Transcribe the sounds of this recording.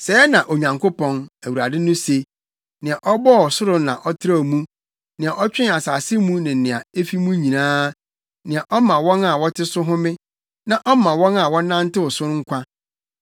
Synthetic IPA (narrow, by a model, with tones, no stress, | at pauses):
sɛː˨˦nã˨ʔo˨ɲã˨ŋko˦pɔ̃˨næ˨wu˨ɾa˨dɪ˦nʊ̃˦se˦ | nɪ̃˨a˨ʔɔ˦bɔ˦˨sʊ˦ɾʊ˦nã˨ʔɔ˦tʰɪ˦ɾa˦˨mũ˦ | nɪ̃˨a˨ʔɔ˦t͡ɕᶣɪ̃˦a˨saː˨sɪ˦mũ˦nɪ̃˨nɪ̃˨a˨e˦fi˦mũ˦ɲĩ˨nãː˦ | nɪ̃˨a˨ʔɔ˦mã˨wɔ̃˦na˨wɔ˦tʰɪ˦sʊ˦ɦʊ̃˦mɪ̃˦ | nã˦ʔɔ˦mã˨wɔ̃˦na˨wɔ̃˦nã˦n˦tɪ˦wʊ˨sʊ̃˦ŋ̩˦kʷa˦